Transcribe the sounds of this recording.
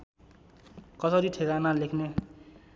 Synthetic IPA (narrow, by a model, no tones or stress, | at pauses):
kʌsʌɾiʈʰekanalekʰne